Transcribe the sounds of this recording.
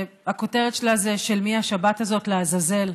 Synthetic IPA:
ako̞te̞ʁetʃelazeʃe̞lmiaʃabatazo̞tleazaze̞l

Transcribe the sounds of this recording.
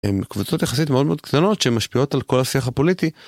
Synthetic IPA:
ḛmkvut͡so̞t̪jaχasitmeo̞d̪meod̪̚kt̪ano̞tʃemaʃpio̞talko̞lhasiaχapo̞liti

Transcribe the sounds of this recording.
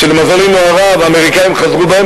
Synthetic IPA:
ʃelmazalimnoaʁaveameʁikajimχazʁubahe

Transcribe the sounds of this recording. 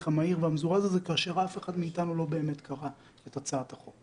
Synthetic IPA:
χamaiʁveamzuʁazazekaːʃeʁafe̞χadmiːtanulo̞beːmetkʰaʁa | etat͡saːtaχok

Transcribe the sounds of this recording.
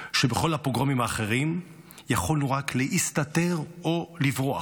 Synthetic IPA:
ʃebeχo̞lhapʁoɡʁamimaːχe̞ʁim | jaχoluʁakleʔist̪ate̞ʁo̞livʁoa̰

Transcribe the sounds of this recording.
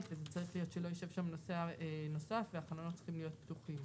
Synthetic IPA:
vezet͡saʁiχlijo̞t̪ʃelo̞joʃe̞vʃamno̞seaeno̞safveaχanonott͡si̥χimlijo̞t̪̚pt̪uχim

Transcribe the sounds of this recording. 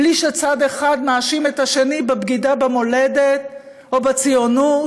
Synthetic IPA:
liʃet͡sade̞χadmaːʃime̞taʃe̞nibebɡidabemo̞ledet̚ | obet͡sijonu

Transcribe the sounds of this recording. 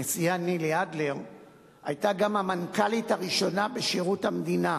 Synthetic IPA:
esijaniliadleʁ | ajtaɡamhamankalitaʁiʃo̞nabeʃiʁuthamd̪ina

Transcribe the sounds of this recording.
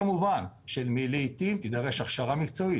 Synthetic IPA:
muvanʃelmilejt̪imt̪id̪aʁe̞ʃaχʃaʁamikt͡so̞i

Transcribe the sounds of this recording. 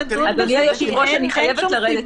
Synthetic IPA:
azaniajoʃiʁoʃaniχajevelaʁed̪e

